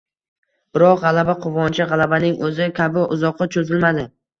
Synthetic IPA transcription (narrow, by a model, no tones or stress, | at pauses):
b̥ɪɾɒqʁalabaqʰʊvɒnt͡ʃʰɪʁalˠabanɪŋɵzɪkʲʰabɪʔʊzɒqʰːɨt͡ʃʰɵzɪlmad̪ɪ